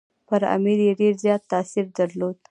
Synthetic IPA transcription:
pəɾa̰miɾjeɖeɾzjɑt̪ːasiɾd̪aɾlod̪

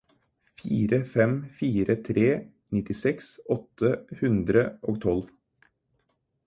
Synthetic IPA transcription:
fiːɾəfɛmfiːɾət̪ʰɾeː | nɪt̪ɪsɛksɔt̪ʰːəhʉnd̪ɾəʔoːɡ̚t̪ʰɔl

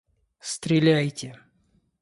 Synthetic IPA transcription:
st̪ɾʲɪlʲæjtʲɪ

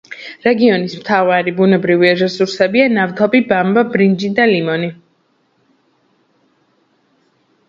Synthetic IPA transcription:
ɾɛɡiɔnismt̪ʰavaɾibunɛbɾiviaɾɛsuɾsɛbianaft̪ʰɔbibambabɾind͡ʒid̪alimɔni

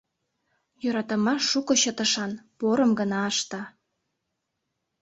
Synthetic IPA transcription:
joɾɑt̪ɑmɑʃːukŏɕət̪ə̆ʃɑnpoɾɤ̆mɡə̆nɑːʃt̪ɑ

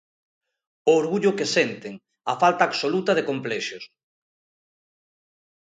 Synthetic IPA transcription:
oːɾɣuʎʊkesɛnt̪eŋ | ɐfalt̪aːɡsolut̪ɐð̞ekomplɛʃos

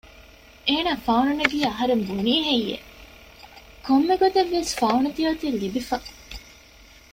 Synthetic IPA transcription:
eːnaːfɐununeɡiːɐɦɐɾembuniːɦejːḛ | komːeɡot̪eʋːesfɐunɐt̪iɐt̪ilːibifɐ

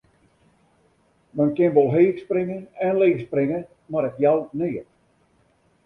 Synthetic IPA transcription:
mɛnkɪnʋɔlˠɦeːxsprɪŋəɛnleːxsprɪŋə | marɛkjalniət̚

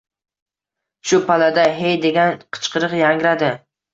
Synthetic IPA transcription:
ʃʊpʰalad̪aɦejd̪e̞ɡʲanqʰɨ̥t͡ʃqʰɨɾɨqjaŋɡɾad̪ɪ

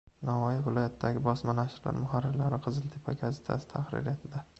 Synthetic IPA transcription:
nɒvɒjɪvɪlˠɒjat̪ʰd̪aɡʲɪbɒsmanaʃɪɾla̰ɾmʊhaɾɪɾlaɾɪqʰɨzɪlˠt̪ʰɪpʰaɡʲazeɪ̥t̪ʰa̰sɪ̥t̪ʰaχɾɪ̰ɾjat̪ʰɪd̪a

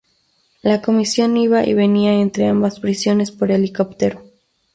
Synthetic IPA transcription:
lako̞misjo̞niβaʔḭβe̞niae̞nt̪ɾe̞ambaspɾisjo̞ne̞spo̞ɾeliko̞pt̪eɾo

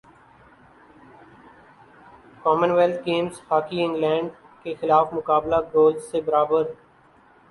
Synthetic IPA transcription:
kɔːmənʋɛlt̪ʰɡeːmzhaːkiɪ̃ŋɡlɛ̃ːɳɖ | kexɪlaːfmʊkaːblaɡoːlzsebəɾaːbəɾ

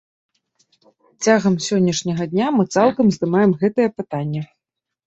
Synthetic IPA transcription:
t͡sʲaɣɐmsʲɔnʲːɐʂnʲɐɣɐd̪ʲnʲamɨt̪salˠkɐmzd̪ɨmajɛmɣɛt̪ɨjɛpɨt̪anʲːɛ

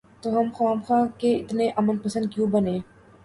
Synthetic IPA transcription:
t̪oɦɐmxaːmxãːkeɪt̪neʔɐmənpɐsə̃nd̪̚kjũbɐnẽː

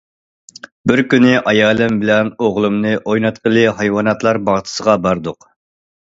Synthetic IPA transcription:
bɪɾkʲynɪʔɑjɑːlˠɪmbɪlɛnoʁlˠɨmnɨʔojnɑt̪qʰəlˠɨɦɑjwɑːnɑt̪lˠɑɾbɑʁt̪ʰə̥səʁɑbɑɾd̪ʊq

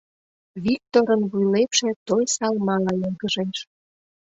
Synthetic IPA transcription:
βik̚t̪oɾənβujlepʃĕt̪ojsɑlmɑlɑjoɡə̆ʒeʃ

